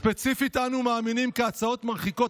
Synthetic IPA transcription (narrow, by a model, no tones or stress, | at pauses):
pe̞t͡sifit̪anumaːminimkeat͡sao̞t̪maʁχiko̞